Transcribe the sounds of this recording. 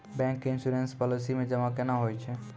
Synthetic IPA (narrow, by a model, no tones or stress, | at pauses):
bɛ̃ŋkːɪnsuɾenspɔlisimẽd͡ʒəmakenaɦojt͡ʃʰɛ